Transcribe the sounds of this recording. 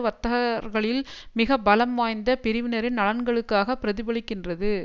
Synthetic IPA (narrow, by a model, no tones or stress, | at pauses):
ʋɐt̪ːɐɐɾɣɐɭɪlmɪɣɐbɐlɐmːaːjnd̪ɐpɪɾɪʋɪnɐɾɪnɐɭɐnɡɐɭɯkːaːɣɐpːɪɾɐðɪbɐɭɪkːɪndrɐðɯ